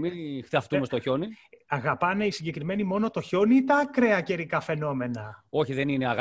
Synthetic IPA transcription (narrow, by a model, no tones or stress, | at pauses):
ixt̪ɐft̪umest̪oço̞niɐɣɐpɐneisiɲɟekɾime̞nimo̞not̪o̞ço̞nit̪ɐkɾe̞ɐce̞ɾikɐfe̞no̞me̞nɐo̞çiðe̞nineɐɣ